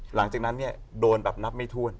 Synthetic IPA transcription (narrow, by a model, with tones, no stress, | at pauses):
la˩˦ŋt͡ɕaː˨˩k̚na˦˥nːi˥˩ədoː˧nbɛ˨˩p̚na˦˥p̚ma˥˩jt̪ʰu˥˩ən